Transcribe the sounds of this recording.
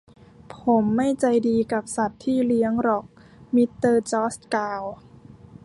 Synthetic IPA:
pʰo˩˦mːa˥˩jt͡ɕa˧jdiː˧ka˨˩p̚sa˨˩t̪ʰːiː˥˩li˦˥əŋɾɔ˨˩k̚ | mi˦˥t̪ːɤː˧t͡ɕɔː˦˥st̪̚kaː˧w

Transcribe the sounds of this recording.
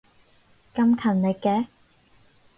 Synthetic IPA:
kɐ˥mkʰɐ˨˩nle˨˧kːɛː˨˧˥

